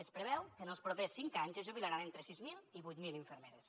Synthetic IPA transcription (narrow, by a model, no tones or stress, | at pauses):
əspɾəβɛwkənəlˠspɾopesːiŋkaɲzəzʒuβilaɾanent̪ɾəsizmilˠiβujt̪miliɱfəɾmeɾes